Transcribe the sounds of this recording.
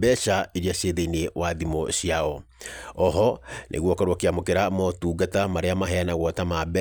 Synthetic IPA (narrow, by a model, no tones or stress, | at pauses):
bɛʃaeɾiaʃeðeinewʔaðimɔɕiaɔɔɦɔnʔḛɣwɔkaɾwɔkeamokeɾamɔtuːɡatamaɾeamaɦɛanaɣwɔtamabɛ